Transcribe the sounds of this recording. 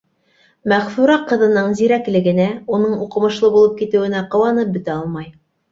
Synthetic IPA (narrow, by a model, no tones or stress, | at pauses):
mæχfʉɾɑqɤ̆ðɤ̆nɤɴziɾæklɘ̆ɡɘ̆næunɤɴuqɤ̆mɤ̆ʃlˠɤbulˠɤp̚kit̪ɘ̆wɘ̆næqɤ̆wɑnɤp̚bɵ̆t̪æɑlˠmɑj